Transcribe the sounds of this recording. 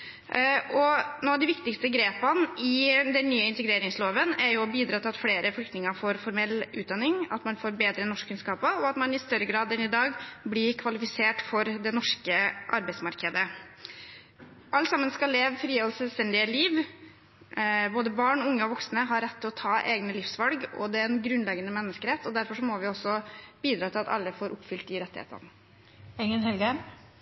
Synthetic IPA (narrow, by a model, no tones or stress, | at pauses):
ɔnoːɑʋd̪ɪʋɪkt̪ɪkst̪əɡɾeːpɑnɪd̪ɛnːyːəɪnt̪əɡɾeːɾɪŋsloːʋənæɾjʊɔbiːd̪ɾɑːt̪ʰɪlɑt̪fleːɾəflʏkt̪nɪŋəɾfoːɾfɔɾmɛlːʉːt̪̚d̪ɑnːɪŋɑ̰t̪mɑnfoːɾbeːd̪ɾənɔʂkkʰːʉnskɑːpəɔɑt̪mɑnɪst̪œɾːəɡɾɑːd̪ɛnɪd̪ɑːɡblɪɾkʰʋɑlɪfɪseːʈfɔɾd̪ɛnɔʂkəʔɑ̰ɾbæɪtsmɑɾkəd̪ə | ʔɑlt̪sɑmːənskɑlːeːʋfɾiːɔlsɛlst̪ɛnd̪ɪəliːʋ | boːd̪əbɑːɳɔʊŋːəɔʋɔksnəɦɑɾɛt̪ʰːɪlɔt̪ʰɑːʔeːɡnəlɪfsʋɑlɡɔ̰d̪ɛɛnɡɾʉnlɛɡənəmɛnːəskəɾɛt̪ːɔd̪æɾfɔʂɔmɔʋɪɔsːɔb̥iːd̪ɾɑːt̪ʰɪlɑt̪ɑ̰lːəfoːɾʔʊpfʏlt̪̚d̪ɪɾɛt̪ːɪhḛːt̪ə̰n | ɛŋənhɛlɡəm